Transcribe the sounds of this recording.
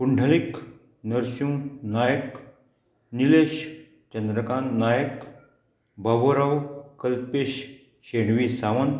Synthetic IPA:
puɳɖʱəlik | nəɾɕũːnajək | nileɕ | t͡ɕənd̪ɾəkannajək | baboɾawkəlpeɕ | ɕeɽʋisaʋən

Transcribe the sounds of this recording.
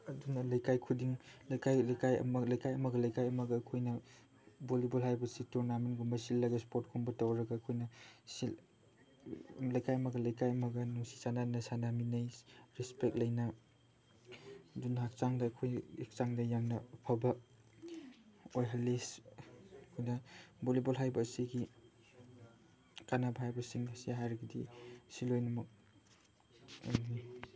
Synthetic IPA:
ɐdunɐlɐjkajkʰudiŋlɐkajlɐjkajɐ̰mɐlɐjkajɐmɐɡɐlɐjkajɐmɐɡɐːkʰojnɐ | bolibulɦajbɐsituɾnamenɡumbɐsilːɐɡɐspoɾt̚kʰumbɐtawɾɐɡaːkʰojnɐsil | lɐjkajɐmɐɡɐlɐjkajɐmɐɡɐnusi̥sananɐsanaminajɾispek̚lɐjnɐ | dunɦak̚t͡ʃaŋdakʰojek̚t͡ʃaŋdɐjaŋnɐupʰabɐ | ojɦalis | kʰojnɐbolibolɦajbɐsiɡi | kanabɦajbɐsiŋsiɦaɾɡidḭsilojnɐmɐk̚

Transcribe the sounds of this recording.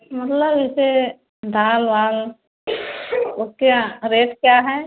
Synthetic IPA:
mɐt̪ləbɪse | d̪ʱaːlʋaːl | ʊskaɾeːʈkjaɦɛ

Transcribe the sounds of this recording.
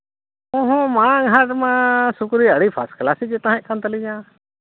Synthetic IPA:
õɦõːmãːɡʱaːʈmãːsʊkɾiːəɽiːpʰa̰ːsklaːsiːd͡ʒet̪ãɦẽʔkãnt̪əliːd͡ʒãː

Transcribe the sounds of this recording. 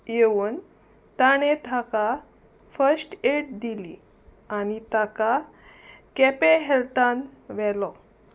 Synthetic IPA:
jeʋuːn | t̪aɽ̃et̪ʰaka | fəsʈeʈ̚d̪ili | añit̪aka | kɛpeɦɛlt̪anʋɛlɔ

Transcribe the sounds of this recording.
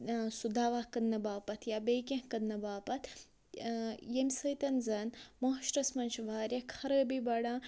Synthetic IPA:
sud̪ʱaːʋaːhkɐnnɐbaːpɐt̪ʰjaːbeːkɐ̃hkɐd̪nɐbaːpɐt̪ʰ | jemʲsɐjt̪ɐnzɐnmoʃɾɐsmɐnʃʋʱaːɾʲjɐkʰɐɾɐbibɐɽãː

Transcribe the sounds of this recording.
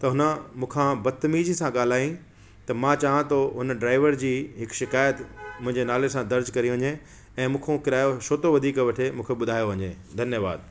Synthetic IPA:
t̪ɐɦʊnə̆mũːkʰãbɐt̪mid͡ʑisãɠaːl̤aːĩ | t̪ɐmãt͡ɕaːɦãt̪oɦʊnɖɾaːɪʋəɾd͡ʑiːɦɪkʃɪkaːjət̪mʊ̃ɦɪ̃ɲd͡ʑenaːlesãd̪ɐɾd͡ʑkɐɾiʋɐ̃ɲe | ɛ̃ːmũːkʰõkɪɾaːjoʃoːt̪oʋɐd̪ʱiːkʋɐʈʰemũːkʰeɓʊd̪ʱaːjoʋɐɲeː | d̪ʱɐnjəʋa̰ːd̪̚

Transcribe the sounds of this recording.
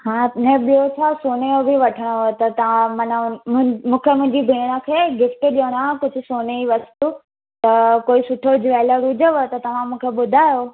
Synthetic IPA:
hãːnẽɓijot͡ɕʰasoːnejobʱiʋɐʈʰəɽ̃oɦt̪ɐt̪ɐ̤ãmɐn | mũːkʰemʊ̃ɦɪ̃ɲd͡ʑibʱiːɽ̃əkʰeːɡɪfʈɗijəɽ̃ãkʊd͡ʑʱʊ̆soːneiʋɐst̪u | t̪ɐkoːisʊʈʰod͡ʑʋɛːləɾʊd͡ʑʱəʋot̪ɐt̪ɐʋ̤ãmũːkʰeɓʊd̪ʱaːjo

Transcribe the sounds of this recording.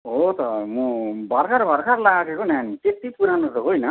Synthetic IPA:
ɦot̪ʌmũbʱʌɾkʰaɾbʱʌɾkʰaɾlaaɡekonanit̪et̪ipuɾanʌtoɦojnʌ

